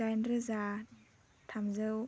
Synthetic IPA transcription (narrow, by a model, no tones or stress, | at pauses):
ajnɾɯza | t̪ʰamzɯw